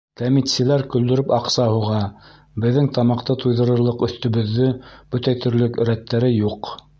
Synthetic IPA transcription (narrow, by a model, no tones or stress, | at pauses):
t̪æmit̪sɘ̆læɾkɵ̆ld̪ɵ̆ɾɵpɑqsɑhuʁɑ | bɘ̆ðːɘŋt̪ɑmɑqt̪ɤt̪ujðɤ̆ɾɤ̆ɾlˠɤqɵ̆θt̪ɵ̆βɵ̆ðːɵb̥ɵt̪æt̪ɵ̆ɾlɵkɵ̆ɾæt̪ːæɾɘjuq